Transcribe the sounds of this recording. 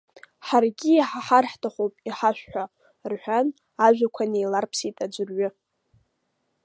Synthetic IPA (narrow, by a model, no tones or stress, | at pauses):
ħarɡʲiːħaħarħtʰaχowpʼiħaʃᶣħʷᶣa | rħʷᶣan | aʒᶣʷakʷʰanejlarpʰsitʼad͡ʒʷɨrɥʏ